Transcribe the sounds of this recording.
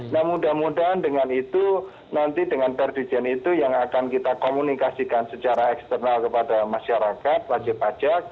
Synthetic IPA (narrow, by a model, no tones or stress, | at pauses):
nahmudahmudaɦandəŋanit̪u | nant̪idəŋanpɛrdid͡ʒɛnit̪ujaŋakankit̪akomunikasikansət͡ʃaɾaɛkst̪ərnalkəpadamaʃaɾakat̪̚wad͡ʒɪpḁd͡ʒak̚